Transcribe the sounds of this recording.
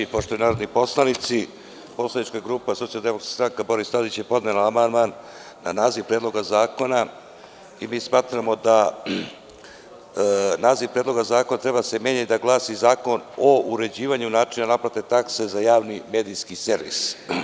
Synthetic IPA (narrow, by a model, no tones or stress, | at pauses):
ipoʂt̪ojunaːɾod̪nipo̞slˠanit̪si | po̞slˠanit͡ʃkaɡɾuːpassialˠd̪emokɾasst̪ɾaŋkabo̞ɾist̪ad̪it͡ɕjepo̞d̪nelaamand̪maːnː | anaːziʋpɾeːd̪lˠo̞ɡazaːko̞na | imiːsmaːt̪ɾamo̞d̪a | naːziʋpɾed̪lo̞ɡazaːko̞nat̪ɾe̞bad̪asemje̞ɲat̪id̪aɡlˠaːsizaːko̞nouɾe̞d͡ʑiːʋaɲunaːʈ͡ʂinanapɾat̪et̪akse̞zajaːʋnime̞ːd̪ijskiseɾʋḭs